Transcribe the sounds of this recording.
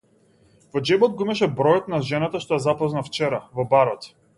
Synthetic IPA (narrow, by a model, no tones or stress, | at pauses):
vɔd͡ʒɛbɔt̪̚ɡɔimaʃɛbɾɔjɔt̪naʒɛnat̪aʃt̪ɔjazapɔznaft͡ʃɛɾavɔbaɾɔt̪